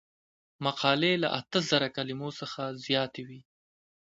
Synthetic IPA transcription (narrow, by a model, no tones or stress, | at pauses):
maqɑlela̰ʔa̰t̪əzəɾakalimosəxazjɑt̪ewi